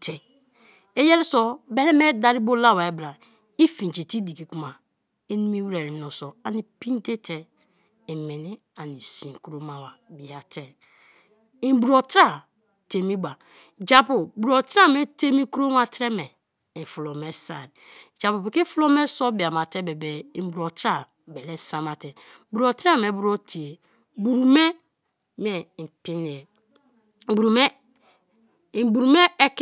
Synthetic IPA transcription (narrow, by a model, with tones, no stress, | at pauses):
tʰe˨ | e˦jɛ˦ɾi˦sɔ˦be˦lɛ˦me˦da˨ɾi˦bo˦la˦˨wa˨e˦bɾa˨ | i˦fĩ˨n˨d͡ʒe˨ti˦di˨ki˨ku˦ma˨ | e˦ni˦mi˦wɾe˨ɾi˨˦no˨so˨a˨ni˨pĩ˦n˦te˦tʰe˨ | e˨me˨ni˦ | a˨ni˨sĩ˨ŋ˨ku˨ɾo˦ma˨wa˨bi˨a˨tʰe˦ | i˨bu˨ɾo˨tɾa˦ | te˨mi˦ba˨ | d͡ʒa˨po˨bu˨ɾo˨tɾa˦˨m˦e˦te˦mi˦kɾo˦n˦a˦tɾɛ˦mɛ˨ | i˨fu˨lo˨me˦sa̰˨ɾi˨d͡ʒa˨pu˨bi˨ki˦fu˦lo˦me˦sɔ˦bi˨a˨ma˨te˦be˨be˨i˨˦bu˨ɾo˨tɾa˦˨ | bɛ˨le˦sa˦ma˨tɛ˨ | bu˨ɾo˨tɾa˦˨me˨bu˦ɾo˦tʰi˨e˨ | bu˨ɾu˨me˦ | m˦e˨m˨pi˦ni˨e˨ | bu˨ɾu˨me˦ | i˨bu˨ɾu˨me˦ɛ˦k